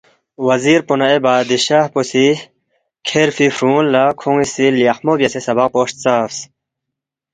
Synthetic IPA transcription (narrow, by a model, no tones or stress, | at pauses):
wɐziɾpunɐebaːd̪iɕaːhposi | kʰeɾfifɾũːnlakʰũŋisilijɐxmobjɐsesɐbɐq̚poːʂt̪̚t͡saːfs